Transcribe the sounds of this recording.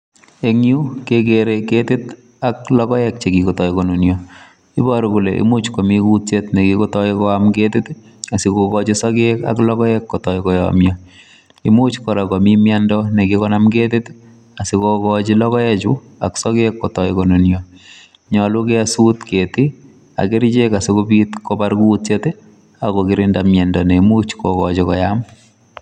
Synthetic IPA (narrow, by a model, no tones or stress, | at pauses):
eŋjukek̬eɾeketɪt | aklɔkɔjɛk̚t͡ʃekikotɔjkɔnonjo | ibɔɾokuleʔḭmut͡ʃkomikutt͡ʃetnekikotɔikɔamketɪt | asikokɔt͡ʃisɔkeka̰klɔkɔjɛkːɔtɔjkɔjɔ̰mjɔ | imut͡ʃkɔɾakomimjandɔnekikɔnamɡetɪt | asikokɔt͡ʃilɔkɔjɛt͡ʃu | a̰ksɔkekːɔtɔjkɔnunjɔ | ɲɔlukɛsutketi | a̰kiɾt͡ʃekasikobitkobaɾkutt͡ʃet | akokiɾindamjɛndɔnemut͡ʃkokɔt͡ʃikɔjam